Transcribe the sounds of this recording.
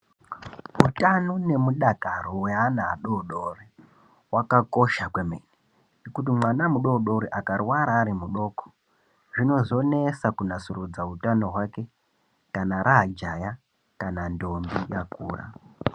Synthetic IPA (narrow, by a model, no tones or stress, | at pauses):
utanone̞muɗakaɾowe̞anaːɗoɗori | wakako̞ʃakwemḛni | nekut̬imwanamuɗo̞ɗoɾiʔakarwaɾaːɾimuɗo̞ːko̥ | ʐino̞zo̞ne̞sakunasurud͡zautano̞ɦwake̞ | kanaɾad͡ʒaja | kanando̞mbijakuːra̰